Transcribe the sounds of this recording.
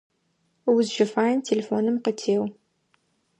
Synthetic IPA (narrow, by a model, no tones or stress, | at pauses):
wʊzʃɐfaːjntʰeleːfoːnɨmqətʰeːw